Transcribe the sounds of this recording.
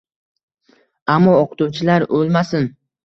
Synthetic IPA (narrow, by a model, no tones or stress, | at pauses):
amːɒoqʰɨ̥t̪ʊwt͡ʃʰɪlaɾolˠmasɪn